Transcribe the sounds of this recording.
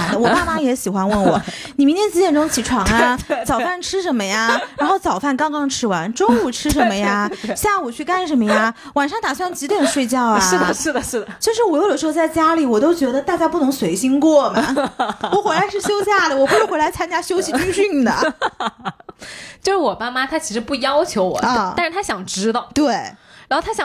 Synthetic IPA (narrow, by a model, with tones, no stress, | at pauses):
ɪd̪ə˧wɔ˨˩pa˥˩ma˧˥jɛ˧˥ɕi˨˩xwa˧˥nwə˧˥˩nwɔ̰˨˩˦ | ni˨˩mi˧˥nt̪jɛ˥t͡ɕ̩˥jɛ˥˩nʈ͡ʂʊ˥ŋt͡ɕʰi˧˥ʈ͡ʂʰwɑ˨˥ŋa˥˧t͡sɑ˨˩ʊfa˥˩nʈ͡ʂʰɻ̩˥ʂə˧˥nmə˧ja˩ɻa˧˥nxo˥˩ʊt͡sɑ˨˩ʊfa˥˩nkɑ˥ŋkɑ˥ŋʈ͡ʂʰɻ̩˥wa˧˥nʈ͡ʂʊ˥ŋu˨˩ʈ͡ʂʰɻ̩˥ʂ̬ə˧˥nmə˧ja˧ɕja˥˩u˨˩t͡ɕʰy˥˧ka˥˩nʂə˧˥nmə˧ja˧ | wa˨˩nʂɑ˥˩ŋt̪a˨˩swa˥˩nt͡ɕi˧˥t̪jɛ˨˩nʂwe˥˧ɪt͡ɕjɑ˥˩ʊ˨aʂ̩˩˥˨ʂ̩˥˩d̪̩˩˥˩t͡ɕjo˥˧ʊʂɻ̩˥˩wɔ˨˩jo˥˩ə˩ʂɻ̩˧˥xo˧t͡sa˥˩ɪt͡ɕja˥li˨˩wɔ˨˩t̪o˥ʊt͡ɕɥɛ˧˥d̪ə˧t̪a˥˧t͡ɕja˥˧pu˥˩nʊ˧˥ŋswe˧˥ɪɕi˥ŋkwɔ˥˩mɐ˩wɔ˧˩xwɛ˧˥la˧˥ɪʂɻ̩˥˩ɕjo˥ʊɕja˥˩d̪ə˩wɔ˨˩pu˧˥ʂɻ̩˥˩xwla˧˥ɪt͡sʰa˥nt͡ɕja˥ɕjo˥ʊɕi˨˥y˥ɕy˥˩nd̪ə̰˩ | t͡ɕjo˥˧ʂɻ̩˥˩wɔ˨˩ma˥˩ma˥t̪ʰa˥t͡ɕʰi˧˥ʂɻ̩˧˥pu˥˩jɑ˥ʊt͡ɕʰjo˧˥ʊwɔ̰˨˩ə˧˩a˥˧ɻ̩˧˥˧t̪ʰa˥ɕjɑ˨˩ŋʈ͡ʂɻ̩˥t̪ɑ˥˩ʊt̪we˥˩ɪɻa˧˥xo˥˧ʊt̪ʰa˥j